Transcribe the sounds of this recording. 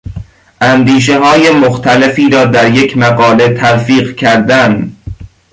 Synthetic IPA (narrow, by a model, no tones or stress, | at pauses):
ʔænd̪iːʃ̬e̞ɦɒːje̞moxt̪ʰæle̞fiːɾɒːd̪æɾje̞cʰmæɣɒːle̞t̪ʰælfiːɢcʰæɾd̪æn